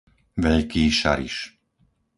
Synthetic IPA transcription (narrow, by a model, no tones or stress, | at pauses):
ʋɛʎkiːʃa̰ɾḭʃ